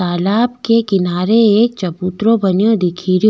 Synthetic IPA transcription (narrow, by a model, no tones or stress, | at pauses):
aːlaːbkekɪnaːɾeeːk̚t͡ʃɐbuːt̪ɾõbɐnjõd̪ɪkʰiːɾj